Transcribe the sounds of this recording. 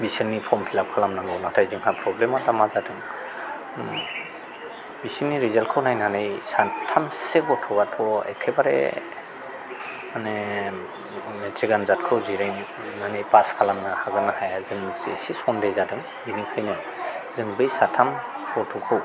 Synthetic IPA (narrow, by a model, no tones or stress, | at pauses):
bisɯnːipʰɔmpʰilap̚kʰalamnaŋɡɯwnatʰajzɯŋhapʰɾɔblematamazadɯŋ | bisiniɾizalkʰɯwnajnanejsatʰamseɡɔtʰɔbatʰɔḛkʰebaɾḛ | mane | metʰɾiɡanzat̚kʰɯwziɾajnː | anejpaskʰalamnahaɡɯnahajazɯŋzesisɔndejzadɯŋ | binikʰɯjnɯ | zɯŋbɯjsatʰamɡɔtʰɔkʰɯw